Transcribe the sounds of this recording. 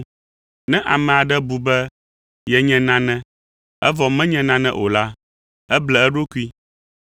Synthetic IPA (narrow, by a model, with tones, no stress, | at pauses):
nɛ̃˦ʔa˨mɛ̃˨a˨ɖɛ˦bu˨bɛ˦ | jɛ˨ɲɛ̃˨nã˦nɛ̃˦ | ɛ˦vɔ˨mɛ̃˦ɲɛ̃˨nã˦nɛ̰̃˦ʔo˨la˦ | ɛ˦blɛ˨ɛ˦ɖo˦ku˦i˦